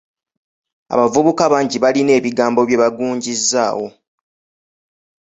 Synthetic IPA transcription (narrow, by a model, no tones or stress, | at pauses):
a̰βavuβukaβaːɲɟiβaline̞ːβiɡaːmbo̞βje̞βaɡuːɲɟizːaːwo̞